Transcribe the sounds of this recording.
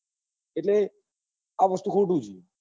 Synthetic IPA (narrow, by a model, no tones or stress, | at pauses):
eʈle | aʋəst̪ukʰoɖuːd͡ʒi